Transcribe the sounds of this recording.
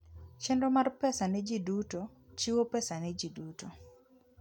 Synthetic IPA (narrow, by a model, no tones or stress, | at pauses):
t͡ʃɛndɔmarpɛsanɛd͡ʒidutot͡ʃiwopɛsanɛd͡ʒiduto